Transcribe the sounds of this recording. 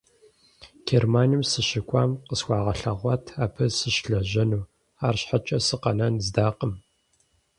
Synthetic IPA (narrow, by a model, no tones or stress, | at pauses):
ɡ̥ermaːnimsɨɕɪkʷʼɑːmqəswʷɑːʁɐɬɐʁʷɑtʰaːpʰɐsɨʃɬɐʒɐnuː | aːrɕħat͡ʃʼɐsɨqɐnɐnzdaːqəm